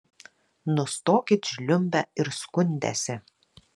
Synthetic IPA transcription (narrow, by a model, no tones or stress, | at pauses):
nʊst̪oːkʲɪt̪ʒʲlʲʊmʲbʲɛɪɾskʊnʲd̪ʲæ̰sʲɪ